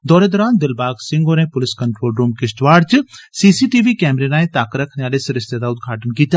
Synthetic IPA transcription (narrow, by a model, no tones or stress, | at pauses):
d̪ɔːɾeːd̪ɔːɾaːnd̪ɪlbaːɡsɪ̃ŋɡoːɾẽːpʊlɪskɐɳʈɾoːlɾuːmkɪsʈʋaːɖt͡ʃsiːsiːʈiːʋikɛːmɾenãːẽːt̪aːkɾɐkʰneaːlesɪɾɪst̪ed̪aːʊd̪ɡʱaːʈənkiːt̪aː